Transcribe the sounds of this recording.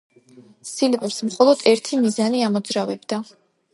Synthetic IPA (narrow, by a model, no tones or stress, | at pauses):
silɛbɛpsmχɔlˠɔd̪̥ɛɾt̪ʰimizaniamɔd̪zɾavɛbd̪a